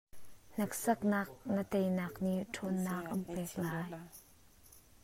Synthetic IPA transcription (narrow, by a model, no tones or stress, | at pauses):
n̥ɐk̚sɐk̚naːk̚nət̪ejnɐk̚niʔtʰɔnːak̚ʔəmpɛːk̚laːj